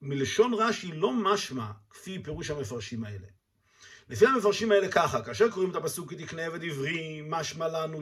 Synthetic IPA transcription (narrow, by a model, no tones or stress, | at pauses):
mileʃo̞nʁaʃilo̞maʃmakfipe̞ʁuʃhamefaʁʃimae̞le | lefiame̞faʁʃimae̞le̞kaχakaaːʃ̬e̞ʁko̞ʁimet̪apasukːet̪ikneeved̪ivʁimaʃmalanu